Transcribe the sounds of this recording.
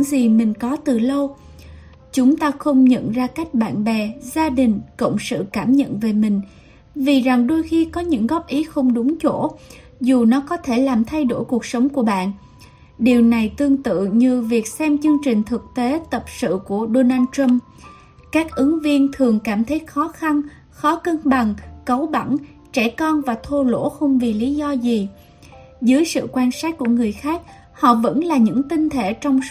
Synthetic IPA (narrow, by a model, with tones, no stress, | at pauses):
ŋzi˨˩mï˨˩ŋ̟kɔ˨˦t̪ɨ˨˩lə˧w | t͡ɕʊ˨˦ŋ͡mt̪aː˧xə˧wŋ͡mɲə̰˧˨nzaː˧ka˦˥jk̟̚ɓa̰ː˧˨nɓɛ˨˩zaː˧ɗï˨˩ŋ̟kə̰˧˨wŋ͡msɨ̰˧˨kaː˧˩mɲə̰˧˨nve˨˩mï˨˩ŋ̟ | vi˨˩za˨˩ŋɗo˧jxi˧kɔ˨˦ɲɨ̰˧˥ŋɣɔ˦˥p̚ʔi˨˦xə˧wŋ͡mɗʊ˨˦ŋ͡mt͡ɕo˧˩ | zu˨˩nɔ˨˦kɔ˨˦t̪ʰe˧˩laː˨˩mt̪ʰa˧jɗo˧˩jku˨˩ək̚sə˨˦wŋ͡mku˧˩əɓa̰ː˧˨nʔ | ɗi˨˩əwna˨˩jt̪ɨ˧əŋt̪ɨ̰˧˨ɲɨ˧vi˨˩ək̚sɛ˧mt͡ɕɨ˧əŋt͡ɕï˨˩ŋ̟t̪ʰɨ˨˩k̚t̪e˨˦t̪ə˨˩p̚sɨ̰˧˨ku˧˩əɗo˧naː˧ntɹə˧m | kaː˦˥k̚ʔɨ˨˦ŋvi˧ənt̪ʰɨ˨˩əŋkaː˧˩mt̪ʰə˨˦jt̚xɔ˨˦xa˧n | xɔ˨˦kə˧nɓa˨˩ŋkə˨˦wɓa˧˩n | t͡ɕɛ˧˩kɔ˧nvaː˨˩t̪ʰo˧lo̰˧˥xə˧wŋ͡mvi˨˩li˨˦zɔ˧zi˨˩ | zəː˨˦jsɨ̰˧˨kwaː˧nsaː˦˥t̚ːu˧˩əŋɨ˨˩əjxaː˦˥k̚ | hɔ̰˧˨və̰˧˥nlaː˨˩ɲɨ̰˧˥ŋt̪i˧ŋ̟t̪ʰe˧˩t͡ɕɔ˧wŋ͡ms